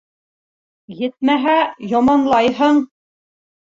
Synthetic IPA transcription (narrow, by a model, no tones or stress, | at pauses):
jɘ̆t̪̚mæɦæjɑmɑnlˠɑjɦɤɴ